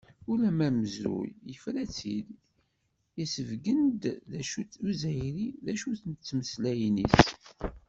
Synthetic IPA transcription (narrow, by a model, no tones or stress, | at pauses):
ulæmæməzɾṵjjəfɾæt͡sːil | jæsəvɡənd̪ðæʃuuzæjɾiðæʃuθənət͡sːməslæjnis